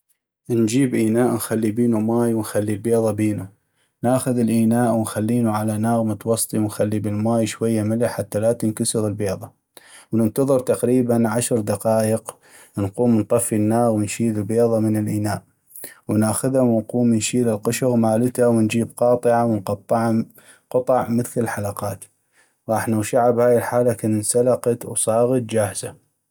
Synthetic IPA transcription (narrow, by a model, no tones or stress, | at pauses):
nd͡ʒiːbʔiːnaːʔnxalːibiːnumaːjwənxalːilbeːðˤɑbeːnu | naːxʊðɪlʔiːnaːʔwnxalːiːnuʕalanaːɣmʊt̪wɑsˤt̪ˤiwnxalːibɪlmaːjʃwajːamɪlaħat̪ːalat̪ɪnkʊsəɣəlbeːðˤɑ | wnənt̪ɑðˤɨɾt̪aqɾiːbanʕaʃɾd̪aqɑːjəq | nquːmnt̪ˤɑfːinːaːɣwənʃiːlɪlbeːðˤɑmɪnɪlʔɪnaːʔ | wnʔaxʊðhawənquːmnʃiːlɪlqʊʃʊɣmaːlɪt̪awənd͡ʒiːb̚qɑːt̪ˤɨʕawənqɑt̪ˤːɑʕa | qɑt̪ˤɑʕmɪθlɪlħalɑqɑːt̪ | ɣɑːħnawʃaʕabhaːjɪlħaːlakɪnnsalɑqɑt̪wsˤɑːɣɑt̪̚d͡ʒaːhza